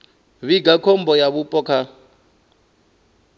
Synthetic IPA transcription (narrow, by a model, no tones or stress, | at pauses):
βiɡakʰɔmbɔjaβupʼɔkʰa